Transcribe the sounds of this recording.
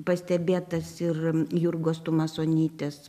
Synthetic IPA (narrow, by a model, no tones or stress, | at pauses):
pɐsʲt̪ʲɛbʲeːt̪ɐsɪrjurɡoːst̪uːmɐsoːnʲiːt̪ʲeːs